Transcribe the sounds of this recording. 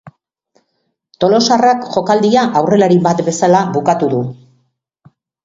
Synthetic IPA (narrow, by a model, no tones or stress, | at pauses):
t̪o̞lo̞sarakʝo̞kald̪iaʔawre̞laɾibat̪be̞salaβukat̪uðu